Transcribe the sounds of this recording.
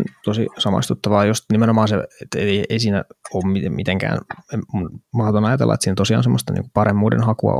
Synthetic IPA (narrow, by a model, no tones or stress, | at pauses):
nt̪osḭsɑmɑ̰ist̪ut̪ːɑʋɑːjosnimenomɑːnseet̪ːeieisiːnæ̰oːmmimit̪eŋkæ̰ːnemunmɑhot̪onɑjɑt̪ḛlːɑ̰et̪siːnæt̪osiɑ̰ːnsemːost̪ɑnḭːŋkupɑremːuːdḛnhɑkuɑ̰